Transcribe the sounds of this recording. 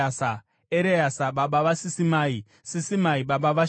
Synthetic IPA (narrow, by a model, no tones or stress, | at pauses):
asa | eɾejasaɓaɓaʋasisimaːi | sisimaiɓaɓaʋa